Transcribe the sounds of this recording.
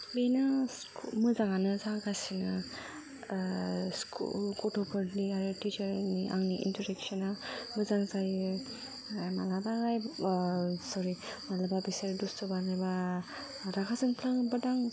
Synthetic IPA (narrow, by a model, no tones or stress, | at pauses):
benɯs | mɯzaŋanɯzaŋɡasinɯ | skʰṵlkoʈʰopʰɯɾliaɾiʈit͡ʃəɾniʔa̰ŋniʔḭntʰɔɾeksɔnamɯzaŋzaj | malabaɡaj | sɔɾimalababisaɾdustɔbanaba | ɾakʰazɯŋpʰlaŋbɯdaŋ